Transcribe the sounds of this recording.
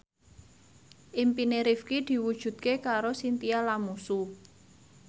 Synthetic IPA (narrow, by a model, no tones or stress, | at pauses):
ʔɪmpineɾifkid̪̥i̤wud̥ʒ̥ṳd̪̚kekaɾosint̪ialamusu